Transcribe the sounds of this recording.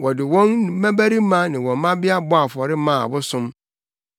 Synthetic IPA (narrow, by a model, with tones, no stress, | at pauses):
wɔ˨dɪ˨wɔ̃˦n̩˨˦mæ̃˦bæ˦ɾi˦mã˦nɪ̃˨wɔ̃˨mã˦bɪ˦a˦bʊ˦a˨fɔ˨ɾɪ˦mã̰˦˨bʊ˦sʊ̃˦m